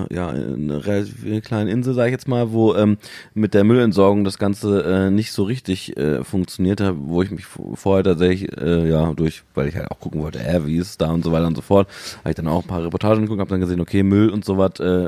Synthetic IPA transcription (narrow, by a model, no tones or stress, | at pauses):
ja̰ːnə̰ʁelatʰiːfkl̥aɪnəʔɪnzl̩zaːɡɪçjɛt͡smaːlvoːʔɛːmmɪt̚d̥eːɐmʏlɛntz̥ɔɐɡʊŋdasɡ̥ant͡səʔɛːnɪçtz̥oːʁɪçtɪçʔɛ̰ːfʊŋk̚t͡sjoniːɐthavoːɪçmɪçfoːɐheːtʰaːtz̥ɛçlɪçʔɛːjaːdʊɐçvaɪlɪ̰çha̰ltaʊkʰʊkŋ̩vɔltə̰ʔɛ̰viɪsd̥aːʊntzovaɪtɐʊntzofɔɐtha̰ːbɪçd̥anaʊxm̩pʰaːʁepɔɐtʰaːʒn̩ɡkʊk̚thaːpdanɡəzeːnʔokʰeːmʏlʊntz̥oːvatʔɛː